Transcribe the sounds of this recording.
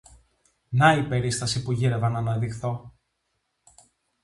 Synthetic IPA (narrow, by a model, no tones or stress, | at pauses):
nɐipe̞ɾist̪ɐsipuʝiɾevɐnɐnɐðixθo̞